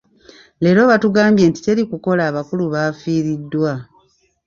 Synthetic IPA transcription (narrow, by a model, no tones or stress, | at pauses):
le̞ːɾo̞βatuɡaːmbje̞ːnti̥te̞ɾikuko̞laːβakuluβafiːɾidːwa